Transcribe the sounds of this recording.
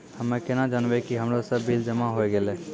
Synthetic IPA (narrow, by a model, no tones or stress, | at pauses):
hɐmẽkɪnad͡ʒanʋekiɦɐmlosɐbːild͡ʒəmaɦoeɡeleː